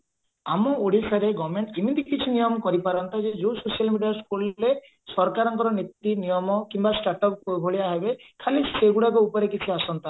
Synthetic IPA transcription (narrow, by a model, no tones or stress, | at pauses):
amɔoɽisaɾeɡɔmeɳʈimit̪ikit͡ʃʰinijɔmɔkɔɾipaɾɔnt̪ad͡ʒed͡ʒusosialmiɖijaskulːe | sɔɾkaɾɔŋkɔɾɔnit̪ːinijɔmɔkimbasʈaʈɔpkoɡʱoɭiaɦebekʰaliseɡuɽakɔupɔɾekit͡ʃʰiasɔnt̪a